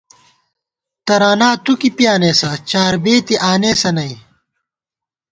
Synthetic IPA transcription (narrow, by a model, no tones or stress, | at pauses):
t̪ɐɾaːnaːt̪ukipjaːneːsɐt͡ɕaːɾbeːt̪iʔaːneːsɐnɐi